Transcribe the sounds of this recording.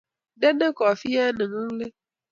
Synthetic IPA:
de˦ne˦kɔ˨fi˦ɛ˦nɪ̃˨ŋ̩˦le˦

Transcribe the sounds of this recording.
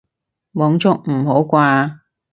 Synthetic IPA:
mɔː˨˥ŋt͡sʊ˥k̚m̩˨˩ho˨˥wkʷaː˧

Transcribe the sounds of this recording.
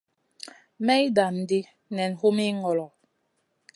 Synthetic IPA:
mɛ˦i˦da˨m˨di˦ | nɛ˨n˨hu˦mi˦ŋɔ˨lɔ˨

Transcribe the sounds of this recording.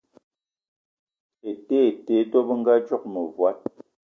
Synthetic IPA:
e˨te˦˨te˨˦dɔ˦bə˦ŋ̩˦ɡa˦d͡ʒɔ˦k̚mə˨vwa˦t̚

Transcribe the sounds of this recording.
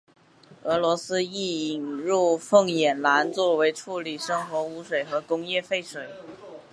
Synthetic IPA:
ɤ˧˥lwɔ˧˥sɹ̩˥i˥˩i˨˩nɻu˥˧fɤ˥˩ŋjɛ˨˩nla˧˥nt͡swɔ˥˩we˧˥ɪʈ͡ʂʰu˥˩li˨˩ʂɤ˥ŋxwɔ˧˥u˧˥ʂwe˨˩ɪxɤ˧˥kʊ˥ŋjɛ˥˧fe˥˩ɪʂwe˨˩˦ɪ

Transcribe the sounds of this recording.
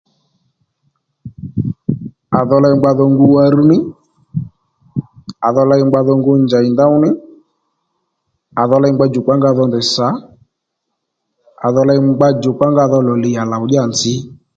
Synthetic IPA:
a˨ðɔ˧la˧ŋ͡mɡ͡ba˧ðɔ˧ŋɡu˧wa˧ɾu˦nɪ˦ | a˨ðɔ˧la˧ɪ˧ŋ͡mɡ͡ba˧ðɔ˧ŋɡo˦nd͡ʒa˨ɪ˨nda˦ʊ˦nɪ˦ | a˨ðɔ˧la˧ŋ͡mɡ͡ba˦d͡ʒo˨ka˦ŋɡa˦˨ðɔ˧ndɪ˨sa˨˦ | a˨ðɔ˧la˧jŋ͡mɡ͡ba˦d͡ʒo˨k͡pa˦ŋɡa˦˨ðɔ˧lɔ˨lɪ˨˧ja˨la˨ʊ˦ʄa˦˨nd͡zɪ˦

